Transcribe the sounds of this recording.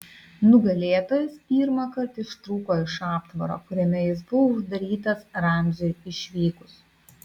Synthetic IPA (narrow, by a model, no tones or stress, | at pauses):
nʊɡɐlʲeːt̪oːjɛspʲiːɾmɐkɐɾt̪ɪʃt̪ɾuːkoːɪʃɑːpt̪ʋɐ̰ɾo̰ːkʊɾʲɛmʲɛjɪs̬bʊʋoʊʒd̪ɐɾʲiːt̪ɐsɾɐˑmʲd͡ʒʲɛɪʃʲʋʲiːkʊs